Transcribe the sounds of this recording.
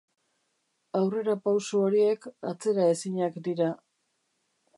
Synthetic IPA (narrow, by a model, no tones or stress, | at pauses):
awre̞ɾapawsuoɾie̞ka̰t͡se̞ɾae̞siɲakd̪iɾa